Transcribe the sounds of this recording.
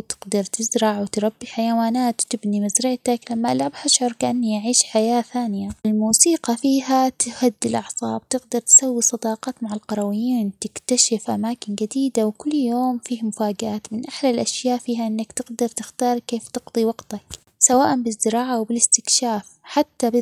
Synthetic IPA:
t̪ɪ̥ɡd̪ɑɾˤt̪ɪzɾɑʕwt̪ɾˤɑbːiħajawaːnaːt̪t̪ɪbnimazɾɪʕt̪aklamːaʔalʕabhaʃʕʊɾˤkaʔanːijaʕiːʃħajaːθaːnɪjaʔɪlmuːsiːqɑfiːɦat̪ɪhad̪ːɪlʔɑʕsˤɑ̰ːb̚t̪ɪɡd̪ɑɾˤt̪sawːisˤɑd̪ɑːqɑːt̪maʕalqɑɾˤɑwɪjːiːnt̪ɪkt̪aʃɪfʔamaːkɪnɡad̪iːd̪awkʊlːjoːmfiːhmʊfaːɡʔaːt̪mɪnʔaħlalʔaʃjaːʔfiːɦaʔɪnːakt̪ɪɡd̪ɑɾˤt̪ɪxt̪ɑːɾˤkeːft̪ɪɡd̪ˤiwɑɡt̪ak | sawaːʔambɪzd̪ɪɾɑːʕawbɪlɪst̪ɪkʃaːfħat̪ːab

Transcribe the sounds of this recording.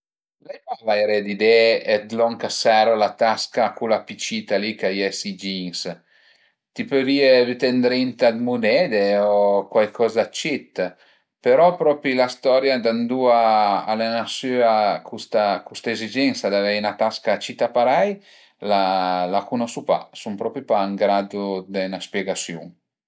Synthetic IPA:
lɛjpavajɾɛd̪id̪ɛɛd̪lɔŋkasaɾolat̪askakulapit͡ʃit̪alikajɛsid͡ʒiŋs | t̪ipøviːevyt̪ɛnd̪ɾint̪ad̪munɛːd̪eokwajkʰɔzat͡ʃːit̪ː | peɾɔpɾɔpɾilast̪ɔɾjad̪and̪ua̰ːlenasyakʰust̪akust̪aezid͡ʒɛŋsad̪avɛnat̪askat͡ʃːit̪apaɾaj | lalakunɔsupa̰sumpɾɔpɾipaːŋɡɾad̪ud̪ɛnaspjɛɡasjṵŋ

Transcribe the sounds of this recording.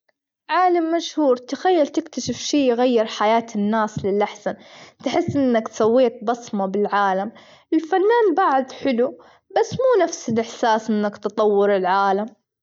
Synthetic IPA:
ʕaːlamːaʃhuːɾt̪axajːalt̪ɪkt̪aʃɪfʃiːjɪɣajːɪɾħajaːt̪ɪnːaːslɪlʔaħsant̪ħɪsːʔɪnːakt̪sawːeːt̪̚bɑsˤmɑbɪlʕaːlam | ʔɪlfanːaːnbaʕd̪ħɪlu | basːmuːnafsɪlʔɪħsaːsʔɪnːakt̪ɑt̪ˤɑwːʊɾɪlʕaːlam

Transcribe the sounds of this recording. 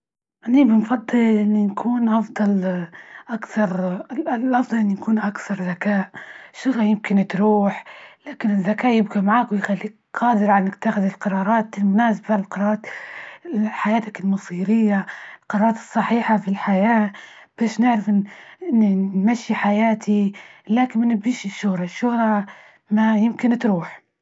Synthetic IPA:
ʔanːibɪnfɑd̪ˤːɨlʔʔɪnːinkʰuːnʔɑfd̪ˤɑlʔakθɑɾˤlʔɑfd̪ˤɑlʔɪnːijakuːnʔakθɑɾˤðakaːʔʃːʊɣljɪmkɪnt̪ɾuːħlaːkɪnɪzːakaːʔjɪbɡamaʕaːkwɪjxalːiːk̚ | qɑːd̪ɪɾʕanʔɪkt̪ːaxɪðɪlqɑɾˤɑːɾˤɑːt̪ɪlmʊnaːsabalqɑɾˤɑɾːɾˤɑːt̪ | ħajaːt̪akɪlmɑsˤiːɾɪjːaɪlqɑɾɑːɾˤɑːt̪ɨ̥sˤːɑħiːħafilħajaː | b̥aːʃnɪʕɾafʔɪɪnːnmaʃːiħajaːt̪ʰilaːkɪnmɪnɪbiːʃɪʃːʊhɾˤɑʃːʊhɾˤɑ | majɪmkɪnt̪ɾuːħ

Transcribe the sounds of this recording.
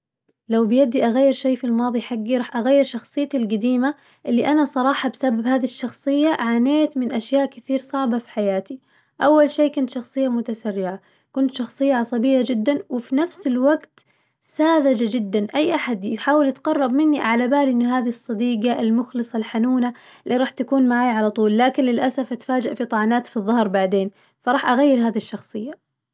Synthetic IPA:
lawbɪjad̪iʔaɣajːɪɾʃejːfilmɑːðˤiħaɡːiɾˤɑħʔaɣajːɪɾʃɑxsˤɨjːat̪ɪlɡad̪iːma | ʔɪlːiʔanasˤɑɾˤɑːħɑbsababhaːðiʃːɑxsˤɨjːaʕaːneːt̪mɪnʔaʃjaːʔkɪθiːɾsˤɑʕbɑfi̥ħajaːt̪i | ʔawːalʃeːkʊnt̪ʃɑxsˤɨjːamʊt̪asarːɪʕa | kʊnt̪ʃɑxsˤɨjːaʕɑsˤɑbɪjːad͡ʒɪd̪ːanwɪfinafsɪlwaɡt̪ | saːðad͡ʒad͡ʒɪd̪ːanʔajːʔaħad̪jɪħaːwɪlɪt̪qɑrˤːɑbmɪnːiʕalabaːlʔɪnːʊɦaːðisˤːɑd̪iːɡaʔɪlmʊxlɨsˤɑlħanuːnalːiɾɑːħt̪akuːnmaʕaːjʕalat̪ˤuːlːaːkɪnlɪlʔasafʔat̪faːd͡ʒaʔfit̪ˤɑʕɑːnaːt̪fiðˤːɑhɾˤbaʕd̪eːn | fɑɾˤɑːħʔaɣajːɪɾɦaːðiʃːɑxsˤɨjːa

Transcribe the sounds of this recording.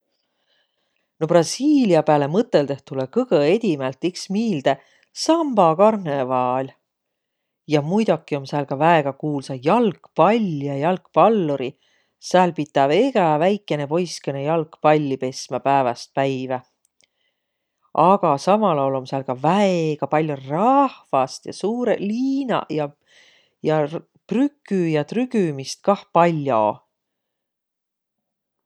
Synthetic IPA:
no̞prɑsiːliɑpæːle̞mɤt̪ːˑe̞ld̪̥e̞ht̪ulekɤɡ̥ɤe̞d̪̥ʲimælt̪ːiksmiːld̪̥e̞ | sɑmb̥ɑkɑrnevɑːlʲ | jɑmujd̪̥okːˑio̞msæːlkɑvæeɡ̥ɑkuːlsɑjɑlkpɑlʲːjɑjɑlkpɑlːuɾi | sæːlpit̪ːˑɑve̞ɡ̥ɑvæjkːˑe̞ne̞po̞jskenejɑlkpɑlʲːipe̞smɑpæevɑst̪̚pæjvæ | ʔɑɡ̥ɑsɑmɑlolomsæːlkɑvæeɡ̥ɑpɑlʲjorɑhvɑst̪jɑsuːɾeliːnɑ̰jɑ | jɑ | prykːˑyjɑt̪ryɡ̥ymist̪̚kɑhpɑlʲːjo̰

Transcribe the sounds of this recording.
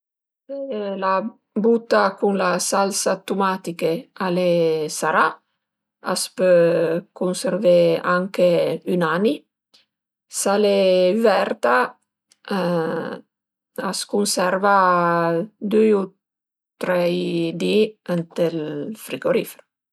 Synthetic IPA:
ela | but̪ːakunlasalsat̪umat̪ikealesaɾa | a̰spøkunseɾveaŋkeynani | saleyvɛrt̪a | askunsɛɾva | d̪uu | t̪ɾɛjd̪iɛnt̪elfɾiɡoɾifeɾo

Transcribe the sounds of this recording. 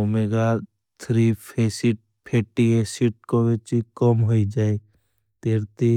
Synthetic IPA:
omeɡa | t̪ʰɾipʰesiʈ̚ | pʰeːʈiesiʈ̚kobet͡ʃikɔmɦoid͡ʒaːe | t̪eːɾt̪i

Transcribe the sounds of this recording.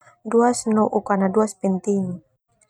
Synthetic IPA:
duasnɔʔukanaduaspɛnt̪iŋ

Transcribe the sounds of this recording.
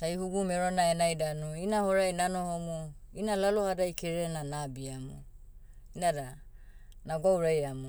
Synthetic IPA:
taihuɡumeɾonaenajdanoinahoɾajnanohomuinalalohadajkeɾenanabiamṵ | inada | naɡawɾajamu

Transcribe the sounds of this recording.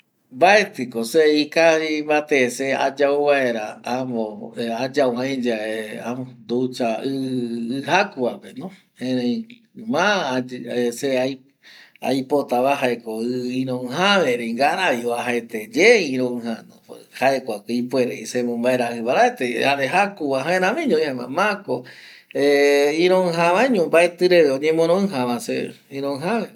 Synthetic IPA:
mbaet̪ɨkoseikahimβat̪esea̰d͡ʒauβaeɾaamõad͡ʒawãj̃d͡ʒaea̰mod̪ut͡ʃaɨɨhakuapenõ | ẽɾẽ | mã | eseaj | a̰jpot̪aβaɦaekoɨĩɾõɨ̃ɦaβeɾeiŋɡaɾaβioaɦaet̪ed͡ʒeĩɾõɨ̃hanõhaekʷakɨipweɾeisemõmbaeɾahɨβaɾaet̪ehaɾeɦakuβaɦãẽɾãmĩɲõĩama̰mãko | eĩɾõɨ̃ɦãβaiɲõmbaet̪ɨɾeʋeõɲẽmõɾ̃õɨ̃ɦãβãsḛ | ĩɾõɦãβe

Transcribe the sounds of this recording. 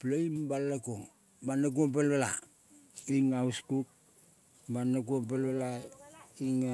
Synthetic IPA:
plejmbalːakoŋ | banak̬uop̬elβala̰ | iŋauskuk̚ | banakuop̬elβela | iŋa

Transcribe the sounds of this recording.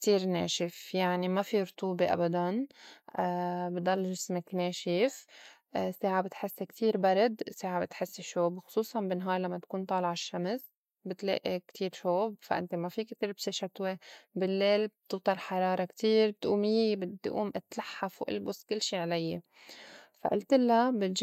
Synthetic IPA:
kt̪iːɾneːʃɪfjaʕnimafiɾʊt̪ˤuːbeʔa̰bad̪anː | bd̪ɑlːʒɪsmakneːʃɪf | seːʕabɪt̪ħɪsːekt̪ʰiːɾbaɾˤɑd̪seːʕabɪt̪ħɪsːeʃoːbxʊ̥sˤuːsˤɑnbɪnːɦɑːɾˤlamːat̪ḁkuːnt̪ˤɑːlʕaʃːams | bɪt̪lḛːʔikt̪ʰiːɾʃoːbfa̰ʔɪ̰nt̪emafikt̪iːɾbseʃat̪webɪlːeːlbt̪ɨwt̪ˤɑlħɑɾˤɑːɾˤɑkt̪iːɾbɪt̪ʔuːmɪjebɪd̪̰ːʔṵːmʔɪt̪laħːafuwʔɪ̰lbʊskɪlːʃiːʕlajːe | fa̰ʔɪlt̪ɪlːabɪt̪

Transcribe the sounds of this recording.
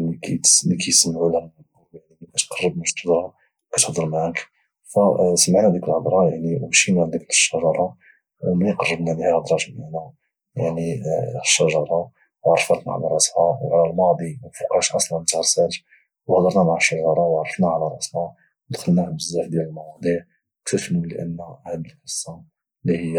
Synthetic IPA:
likit̪likisəmːʕulæn | jaʕnimæt̪qɑrˤːəbmæʃt̪əd̪ɾˤɑ | wkit̪hd̪ˤəɾmaʕk | fæsəmːəʕnæd̪ikəlhəd̪ˤɾˤɑjaʕniwbʃinæʕd̪iknəʃːæʒɑɾˤɑ | miqɑrˤːəbnæb̪ihæhəd̪ˤɾˤɑʃbanæ | jaʕniʃːæʒɑɾˤɑ | wɑɾˤːəfɑɾt̪naʕa̰læɾˤɑʔshæwʕlælmɑd̪ˤiwfuqɑʃʔɑsˤlɑnt̪aʕəsæʒ | whd̪ˤəɾˤnæmaʕəʃːɑʒɑɾˤɑwʕɾˤːəfnæʕalæɾˤɑʔshæ | wd̪xəlnæhbəzːaħd̪jæləlmɑwɑd̪ˤiʕ | kt̪əfnuliʔə̰nːæhəd̪əlħəsˤːɑ | lihəjːæ

